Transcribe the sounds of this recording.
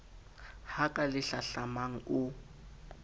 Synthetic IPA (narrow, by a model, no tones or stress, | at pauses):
hakʼalɪɬaɬamaŋ̩ʊ